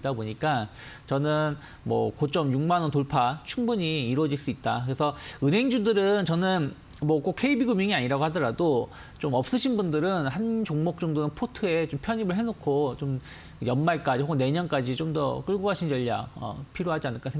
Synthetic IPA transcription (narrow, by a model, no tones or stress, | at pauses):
t͈aboɲik͈a | t͡ɕʌnɯn | mwʌ̰kot͡ɕ͈ʌmjuŋmanʌntoɭpʰat͡ɕʰuŋbuɲiːɾwʌd͡ʑiɭs͈uit̚t͈akɯɾe̞sʰʌɯnɦe̞ŋd͡ʑudɯɾɯnt͡ɕʌnɯn | mwʌk͈okʰe̞ibiɡumjiŋiaɲiɾaɡohadʌɾado | t͡ɕomʌp̚s͈ɯɕʰinbundɯɾɯnhant͡ɕoŋmok̚t͡ɕʌŋdonɯnpʰotʰɯe̞t͡ɕompʰjʌɲimɯɭɦe̞nokʰot͡ɕom | kɯjʌnmaɭk͈ad͡ʑihoɡne̞ɲʌnk͈ad͡ʑit͡ɕomdʌ̰k͈ɯɭɡoɦaɕʰind͡ʑʌʎːa̰ʌ̰pʰiɾjoɦad͡ʑianɯɭk͈asʰe